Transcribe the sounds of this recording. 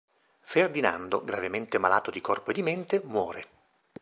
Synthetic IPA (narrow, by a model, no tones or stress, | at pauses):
ferd̪ina̰nd̪oɡɾavement̪emala̰ːt̪od̪ikɔrpoed̪ːiment̪emwɔːɾe